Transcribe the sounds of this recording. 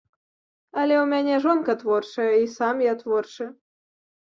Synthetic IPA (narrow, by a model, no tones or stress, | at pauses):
ɐlʲɛwmʲanʲɛʐɔnkɐt̪vɔrʂɐjɛisamjat̪vɔrʂɨ